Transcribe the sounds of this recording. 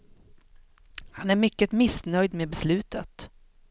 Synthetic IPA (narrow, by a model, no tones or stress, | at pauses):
hanæɾmʏkːət̪mɪsnœjd̪meːbɛslʉ̟ːt̪ət̪